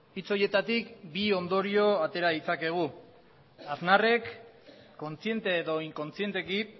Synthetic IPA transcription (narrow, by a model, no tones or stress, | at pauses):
it͡so̞je̞t̪at̪ikbio̞nd̪o̞ɾio̞at̪e̞ɾaðit͡sake̞ɣ̞u | aznare̞kː | o̞nt͡sie̞nt̪e̞ːðo̞iŋko̞nt͡sie̞nt̪e̞ki